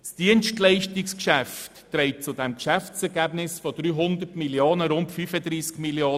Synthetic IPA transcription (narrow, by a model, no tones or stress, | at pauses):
sd̥iənʃtlɛɪʃtɪkskʃæftːɾɛɪt̚t͡sʊdɛmkʃæft͡sɛɾɡæbnɪsfɔd̥ɾyːɦʊnd̪ətmiljoːnəɾʊntfyfədɾiːskmiljoː